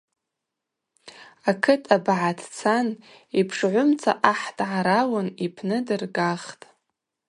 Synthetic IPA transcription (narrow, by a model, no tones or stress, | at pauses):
akʰɨtʰʼabʕatʰt͡sʰan | ipʰʂʕʷʊmt͡sʰaʔaħdʕaɾawanipʰnɨdɨrɡaχtʼ